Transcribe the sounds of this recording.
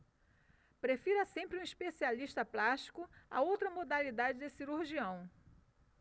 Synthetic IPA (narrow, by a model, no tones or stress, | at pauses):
pɾefiɾɐsẽmpɾɪũiʃpesialiʃt̪ɐplaʃt͡ʃi̥kʊa̰owt̪ɾɐmod̪alid̪ad͡ʒɪd̪ɪsiɾuɾʒiɐ̃w̃